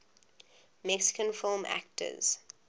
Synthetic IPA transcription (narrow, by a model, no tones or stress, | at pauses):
mɛksɪ̥kə̃nfɪlˠmæ̰k̚tʰə̰z̥